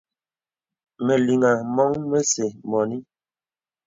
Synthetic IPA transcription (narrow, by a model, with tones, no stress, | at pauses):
me˨li˨ŋa˨mɔ˦ŋme˦se˨mɔ˨ni˦